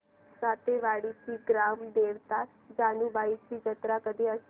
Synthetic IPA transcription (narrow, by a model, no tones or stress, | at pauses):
sat̪eʋaːɽisiɡɾamd̪eːʋt̪a | d͡ʒaːnuʋait͡ʃid͡ʒət̪ɾakəd̪ʱiə